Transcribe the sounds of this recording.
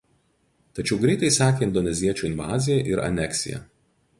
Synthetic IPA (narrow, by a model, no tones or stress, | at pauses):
t̪ɐt͡ʃʲɛʊɡɾʲɛɪt̪ɐɪsɑːkʲeːɪnd̪ɔnʲɛzʲiɛt͡ʃʲuːɪnʲʋɑ̰ːzʲɪjɛʔɪɾɐ̰nʲɛksʲɪ̰jɛ̰